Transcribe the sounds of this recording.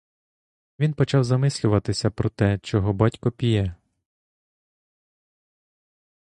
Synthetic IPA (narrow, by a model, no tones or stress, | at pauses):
ʋʲinpɔt͡ʃɑwzɐmɪsʲlʲʊʋɐt̪ɪsʲɐpɾɔt̪ɛt͡ʃɔɦɔbɑtʲkɔpʲijɛ